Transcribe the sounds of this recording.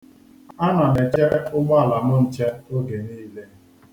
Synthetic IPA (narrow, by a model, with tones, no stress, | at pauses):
a˦nɔ˨ne˨t͡ʃe˦ɾʊ˦ɡ͡bɔ˦a˦˨la˨mʊ˦n̩˨t͡ʃe˦o˦ɡe˨niː˦le˦